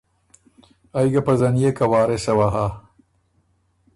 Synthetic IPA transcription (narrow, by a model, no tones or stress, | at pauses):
ajɡapɐzɐnijekɐwɑːɾesɐwaɦa